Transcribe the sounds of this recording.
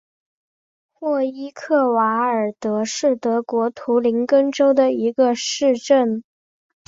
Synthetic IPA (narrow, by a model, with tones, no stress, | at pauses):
xwɔ˥˩i˥kʰɤ˥˩wa˧˥ə˞˨˩t̪ɤ˧˥ʂɻ̩˥˩t̪ɤ˧˥kwɔ˧˥t̪ʰu˧˥li˧˥ŋkə˥nʈ͡ʂo˥ʊd̪ə˨i˧˥ɡə˧ʂɻ̩˥˧ʈ͡ʂə˥˩n